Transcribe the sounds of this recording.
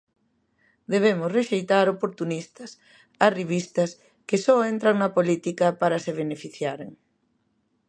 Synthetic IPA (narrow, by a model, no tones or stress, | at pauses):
d̪eβ̞emʊsreʃejt̪aɾopoɾt̪unist̪ɐs | ɐsriβ̞ist̪ɐs | kesɔent̪ɾaŋnɐpolit̪ikɐpaɾɐseβ̞enefiθjaɾeŋ